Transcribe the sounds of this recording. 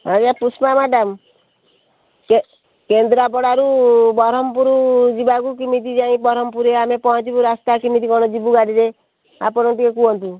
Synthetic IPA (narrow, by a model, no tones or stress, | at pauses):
ad͡ʒapusmamaɖam | ke | kend̪ɾap̬ɔɽaɾubɔɾɔmpuɾud͡ʒibakukimit̪̬id͡ʒaĩpɔɾɔmpuɾeamepɔɦɔ̃t͡ʃibuɾast̪akimit̪ikɔɽ̃ɔd͡ʒibuɡaɽiɾe | a̰pɔɽɔʈikekuɦɔnt̪u